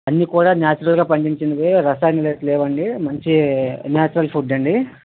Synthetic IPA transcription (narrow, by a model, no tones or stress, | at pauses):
ɐnːiːkuːɽaːnjaːt͡ʃuɾɐlɡaːpɐɳɖiɲt͡ʃind̪ɐdeɾɐsaːjnilɐt̪lɛːʋɐɳɖimɐɲt͡ʃinjaːt͡ʃuɾɐlpʰuɖɐɳɖi